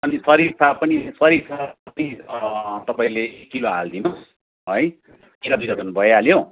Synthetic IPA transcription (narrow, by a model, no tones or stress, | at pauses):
ʌnisʌɾirsʰapʌnisʌɾiɾsʰakʌt̪i | t̪ʌpaĩlekːiloɦald̪inos | ɦʌj | kiɾʌbiɾʌt̪ʌnbʱʌjaljo